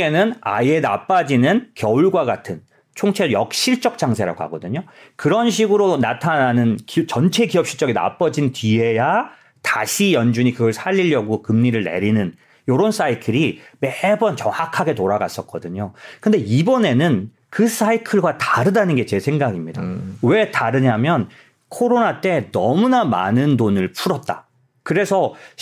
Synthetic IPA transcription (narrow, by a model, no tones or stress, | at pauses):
e̞nɯna̰ie̞na̰p͈ad͡ʑinɯnkjʌuɭɡwaɡatʰɯn | t͡ɕʰoŋt͡ɕʰeɾojʌ̰k̚ɕ͈iɭt͡ɕ͈ʌk̚t͡ɕ͈aŋsʰe̞ɾa̰ɡoha̰ɡʌdɯɲokɯɾʌnɕ̬ʰiɡɯɾonatʰananɯnkt͡ɕʌnt͡ɕʰe̞kijʌp̚ɕ͈it͡ɕ͈ʌɡina̰p͈ʌd͡ʑintɥie̞ja | taɕʰijʌnd͡ʑuɲikɯɡʌɭsʰaʎːiʎːjʌɡokɯmɲiɾɯɭnḛɾinɯn | joɾons͈aikʰɯɾimebʌnt͡ɕʌŋhakʰaɡe̞toɾaɡa̰s͈ʌk̚k͈ʌdɯɲokɯnde̞ibʌne̞nɯn | kɯs͈aikʰɯɭɡwataɾɯdanɯnɡet͡ɕe̞sʰeŋɡaɡimɲida̰we̞taɾɯɲamjʌn | kʰoɾonat͈e̞nʌmunama̰nɯndonɯɭpʰuɾʌt̚t͈a | kɯɾe̞sʰʌ